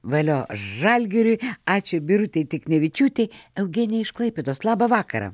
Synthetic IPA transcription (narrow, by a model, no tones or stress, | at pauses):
ʋɐlʲoːʒɐlʲɡʲɪɾʲʊjɑːt͡ʃʲʊbʲɪɾʊt̪ʲɛɪt̪ʲɪknʲɛʋʲɪt͡ʃʲuːt̪ʲɛɪɛʊɡʲeːnʲɛɪʃklˠɐɪpʲeːd̪oːslˠɑːbɐʋɑːkɐɾɐ̰